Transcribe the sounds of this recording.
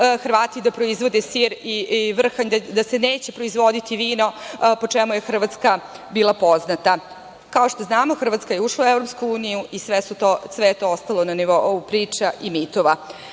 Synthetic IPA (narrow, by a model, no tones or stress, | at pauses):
xr̩ʋaːt̪id̪apɾo̞izʋo̞d̪esiɾiʋr̩xaɲd̪d̪aseneːt͡ɕepɾoizʋo̞d̪it̪iʋiːno̞po̞t͡ʂemuje̞xr̩ʋat̪ska | biːlˠapo̞znat̪a | kao̞ʃt̪oznaːmo̞xr̩ʋat̪skajeuʂlˠauevɾo̞pskuuːnijuisʋesut̪osʋejet̪oost̪alˠonaniʋoupɾiːt͡ʂaʔimit̪oʋa